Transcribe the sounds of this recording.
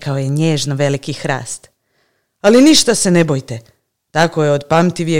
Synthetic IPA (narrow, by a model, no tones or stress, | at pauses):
kaojeɲeːʒnoʋe̞likixɾa̰ːst̪ | aliniʃt̪ase̞ne̞bojt̪e | t̪ako̞jeod̪pamt̪iʋije